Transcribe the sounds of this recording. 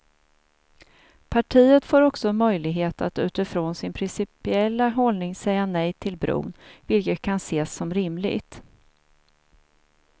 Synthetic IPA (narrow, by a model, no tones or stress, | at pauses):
pʰaʈʰiːət̪foːɾɔksɔmœjlɪɡɦeːt̪a̰t̪ʉ̟ːt̪ɪfɾoːnsɪnpʰɾɪnsɪpɪɛlːaɦɔlnɪŋsɛjːanɛjt̪ʰɪlbɾṵːnvɪlkət̪̚kʰanseːsːɔmɾɪmlɪ̰ɡt̪